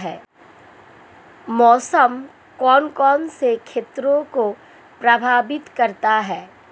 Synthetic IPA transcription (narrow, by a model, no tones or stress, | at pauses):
ɦɛː | mɔːsəm | kɔːnkɔːnsekʰeːt̪ɾõko | pɾɐbʱaːbɪt̪kɐɾt̪aɦɛː